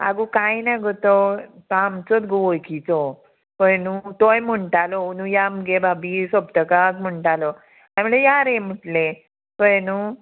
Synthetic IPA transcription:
a̰ɡukajnaɡɔt̪ɔt̪ɔamt͡sɔt̪ɡʋojkit͡sɔ | kənut̪ojm̤əɳʈalɔunũjamɡebʱabisɔbt̪əkakm̤əɳʈalɔ | aməɭejaɾem̤əʈle | kəjenu

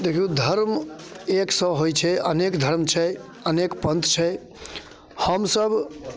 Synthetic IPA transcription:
d̪ekʰud̪ʱəɾm | eksə̃ɦojt͡ʃʰɛə̰nekd̪ʱəɾmt͡ʃʰɛ | ənekpənt̪t͡ʃʰɛ | həmsəb

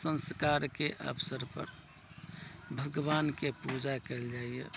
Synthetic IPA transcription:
sə̃nskaɾkeʔə̰bsəɾpə̰ɾ | bʱəɡʋankepud͡ʒakɛld͡ʒaːiḛ

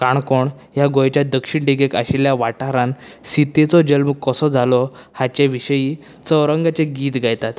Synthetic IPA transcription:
kaɳkoɳ | ɦjaɡojt͡ɕjad̪əkʂiɳʈeɡekaɕiljaʋaʈaɾãn | sit̪et͡sɔd͡ʑəlməkkːəsɔd͡zʱalɔ | hat͡ɕjaʋiɕəji | t͡səwɾəŋɡat͡ɕeɡiːt̪ɡajt̪at̪

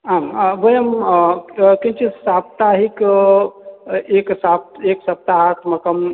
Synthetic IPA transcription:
ambəjəm | kĩnt͡ʃisap̚t̪aɦik | eksab̚t̪eksɐp̚t̪aɦat̪ʰmɐkəm

